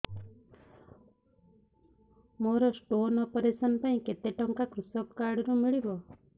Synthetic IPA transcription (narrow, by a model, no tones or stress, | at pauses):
moɾɔsʈonɔpɔɾesɔnpaĩket̪eʈɔŋkakɾusɔkkaɽɾumiɭibɔ